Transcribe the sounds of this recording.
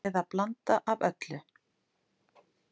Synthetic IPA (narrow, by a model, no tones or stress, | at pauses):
ɛðaplant̪aʔavœt̪lʏ